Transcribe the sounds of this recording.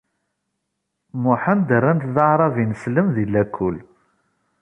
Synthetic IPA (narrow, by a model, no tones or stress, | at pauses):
mʊħand̪ərːænt̪ðəʕɾˤɑvinəsləmðilːækʰːʊl